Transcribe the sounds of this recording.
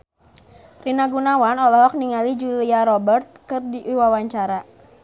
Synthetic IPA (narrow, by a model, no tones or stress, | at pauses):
rinaɡunawanɔlɔɦɔk̚niŋalid͡ʒuliaɾɔbərt̪̚kɨrdiiwawaɲt͡ʃaɾa